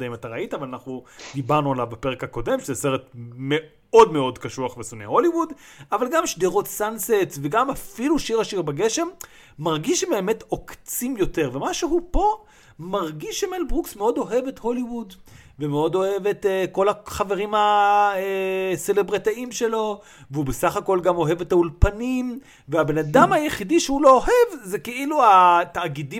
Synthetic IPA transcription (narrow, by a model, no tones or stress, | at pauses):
daimataʁaitavalanaχnudibaʁnualavbape̞ʁekhako̞de̞mʃezese̞ʁetme | o̞dmeo̞dkaʃuaχvesoneho̞liwud | avalɡamʃdeʁo̞tsansetsveɡamafiluʃiʁhaʃiʁbaɡe̞ʃe̞mː | aʁɡiʃbeːme̞tokt͡simjo̞te̞ʁvemaʃeɦupo̞ | maʁɡiʃemelbʁuksmeo̞do̞ɦe̞vetho̞liwud | vemeo̞do̞he̞vetko̞laχave̞ʁimha | se̞lebʁatiimʃe̞lo̞ | veubesaχako̞lɡamo̞ɦe̞vetaulpanim | veabe̞nadamajeχidiʃehulo̞oɦevzekeʔiluataːɡidi